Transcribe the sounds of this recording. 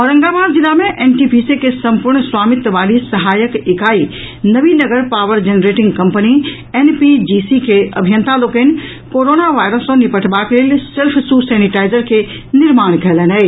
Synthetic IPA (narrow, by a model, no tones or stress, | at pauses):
ɔːɾɐ̃ŋɡabaːɾd͡ʒilːamẽʔenʈipisekesəmpuɾɳswaːmɪt̪ʋaːlisəɦaːjəkɪkaːi | nəʋinəɡəɾpaʋəɾd͡ʒenɾeʈɪ̃ŋɡkəmpəni | enpid͡ʒisikeə̰bʱijə̃nt̪ʰaloːken | koɾonaʋaːjɾəsːõnipəʈʰbakeleːlsɪlpʰsusɛniʈaːɪzəɾke | nɪɾmaːɽ̃kɛlənɛ